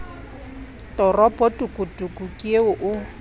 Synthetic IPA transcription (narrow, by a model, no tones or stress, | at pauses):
tʼɔrɔpʼɔtʼukʼutʼukʼukʼieʊʔʊ